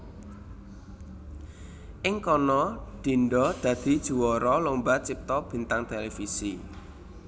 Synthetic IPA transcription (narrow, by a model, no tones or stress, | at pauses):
ʔɪŋkɔnɔɖ̪̥i̤nɖɔd̪̥ä̤d̪̥i̤d̥ʒ̥ṳwɔɾɔlombat͡ʃip̚t̪ɔb̥i̤nt̪aŋt̪elefisi